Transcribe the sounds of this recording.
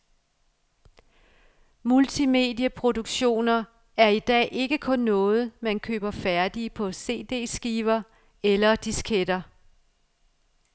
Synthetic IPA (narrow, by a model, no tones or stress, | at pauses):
mult͡sʰime̝̰ːdjəpʰʁo̝duɡ̥ɕo̝̰ːnɐ | æɐid̥ɛ̰ːʔe̝ɡ̥əkʰɔ̽nːɔ̽ːð̞̩ˠmænkʰø̰ːb̥ɐfæɐd̥ipʰɒ̽se̝̰ːd̥e̝̰ːsɡ̥iːʋɐ | elɐd̥iskʰed̥ɐ